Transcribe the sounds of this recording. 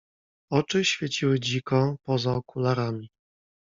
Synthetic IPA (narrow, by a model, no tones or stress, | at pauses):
ɔt͡ʂɘɕfʲjɛt͡ɕiwɘd͡ʑikɔ̃pɔzaɔkulaɾamʲi